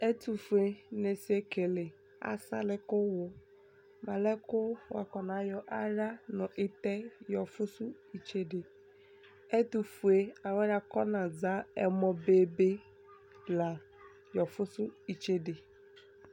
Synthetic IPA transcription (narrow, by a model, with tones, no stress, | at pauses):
e˦tu˨fu˨e˨ne˨se˦ke˨lɪ˨ | a̰˨sa̰˦lɪ˨kʊ˦wʊ˨ | ma˨lɛ˦kʊ˦wa̰˨kɔ˨nã˨˦jɔ˨ʔa˦ɾa˦nʊ̃˨ʔɪ˦t̪ɛ˦jɔ˨fʊ˦sʊ˦ | i˨t͡ʃe˦dɪ˨ | e˦tu˨fu˨e˨a˨wa˦ɾa˨kɔ˦nã˨za˦ɛ˦mɔ˨be˦be˦ | la˨ | jɔ˨fʊ˦sʊ˦i˨t͡ʃe˦dɪ˨